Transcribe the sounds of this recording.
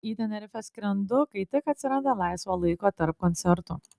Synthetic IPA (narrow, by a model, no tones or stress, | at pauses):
iːd̪ʲɛnʲɛɾʲɪfʲɛsʲkʲɾʲɛnd̪ʊkɐɪt̪ʲɪkɐt̪ʲsʲɪɾɐnd̪ɐlˠɑˑɪsʋoːlˠɐɪkoːt̪ɐɾp̚kɔnʲt̪sʲɛɾt̪uː